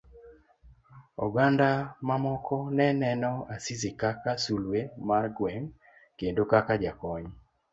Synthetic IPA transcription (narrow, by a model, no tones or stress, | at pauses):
ɔɡandamamɔkʰɔnɛnɛnɔasizikakasulwemarɡwɛŋ | kendokakad͡ʒakɔɲ